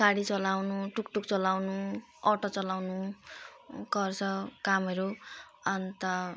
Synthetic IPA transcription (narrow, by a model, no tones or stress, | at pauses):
kaɽit͡sʌlawnuʈukʈuk̚t͡sʌlawnu | ʌʈʌt͡sʌlawnu | ɡʌrt͡sʰʌkamɦʌɾu | ʌnt̪ʌ